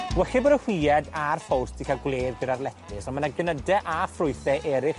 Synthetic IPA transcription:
ɡwɛɬibɔdəhwiɛdarfɔwrsd̥ikʰaɡwleːðɡɪɾarlɛpʰɪsɔnmanaɡənədɛʔafrʊɨθɛʔɛːɾɪχ

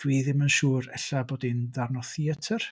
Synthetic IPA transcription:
d̥wiːðɪmənʃuːɾɛ̰ɬaboːdinðarnɔθiətʰər

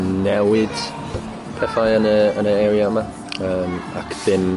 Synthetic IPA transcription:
nɛwɪd̥ | pʰɛfajənəənəɛɾiaəma | əːmakʰðɪm

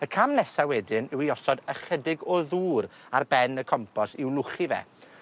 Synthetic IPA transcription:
əkʰamnɛsawɛdɪnɪwiɔsɔdəχədɪɡɔðuːɾarbɛnəkʰɔmpʰɔsɪwlˠʊχivɛ̰

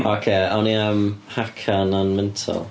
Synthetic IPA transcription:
ɔkʰeːɔniəmhakʰananmɛntʰɔ̰lˠ

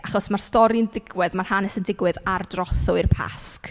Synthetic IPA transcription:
ʔaχɔsmarstɔɾiəndɪɡwɛðmarhanɛsəndɪɡwɨðardrɔθɔirpʰa̰sk

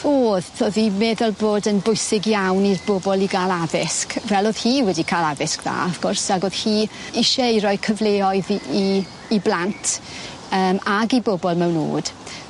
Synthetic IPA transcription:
oːðθoðimɛðɔlˠboːdənbʊɨsɪɡjawnirbɔbɔlˠiɡaːlˠavɪskvɛlˠoːð̥hiːwɛdikʰalˠavɪskða̰ɔfɡ̥ʊrsaɡoːð̥hiː | ɪʃɛiɾɔjkʰəvlˠeːɔɨðiː | blˠantʰ | əːmaɡibɔbɔlˠmɛwno̰ːd̥

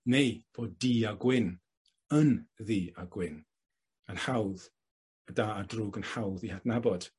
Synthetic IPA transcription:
nejv̥oːddiːaɡwɪn | ənðiːaɡwɪn | ənħawð | ədaːdruːɡənħawðihadnabɔd̥

